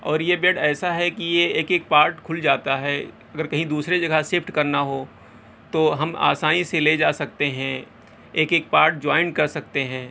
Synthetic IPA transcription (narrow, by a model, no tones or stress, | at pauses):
ɔːɾjebeːɖɛːsaɦɛkijeeːkeːk̚paːɾʈkʰʊld͡ʒaːt̪aɦɛː | ɐɡəɾkɐɦĩd̪uːsɾed͡ʒɐɡʱasɪpʰʈkɐɾnaɦoː | t̪oɦɐma̰ːsaːnĩseled͡ʒaːsɐk̚t̪eɦɛ̃ | eːkeːk̚paːɾʈ̚d͡ʒaːɪnkɐɾsɐk̚t̪eɦɛ̃ː